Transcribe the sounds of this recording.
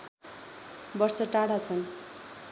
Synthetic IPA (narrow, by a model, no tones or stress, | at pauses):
bʌrsʌʈaɽat͡sʰʌn